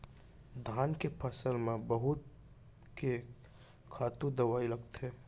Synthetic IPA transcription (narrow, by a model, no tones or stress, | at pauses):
d̪ʱaːnkepʰɐsəlmẽbɐɦʊt̪̚ | ke | kʰaːt̪ũd̪ɐʋaːilɐɡt̪ɦɛː